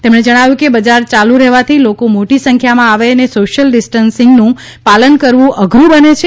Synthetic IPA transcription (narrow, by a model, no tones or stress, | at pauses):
t̪emɽ̃ed͡ʒəɽ̃aʋjũkebəd͡ʒaɾt͡ʃalũɾɛɦʋat̪ʰilokomoʈisə̃ŋkʰjamãaʋeənesoʃəlɖɪsʈənsɪŋɡnũ | palənkəɾʋũʔəɡʱɾũbənet͡ʃʰe